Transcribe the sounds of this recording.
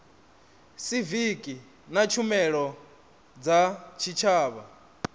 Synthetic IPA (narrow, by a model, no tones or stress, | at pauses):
sivikʼi | nat͡ʃʰumɛɺɔ | d͡zat͡ʃʰit͡ʃʰaːβa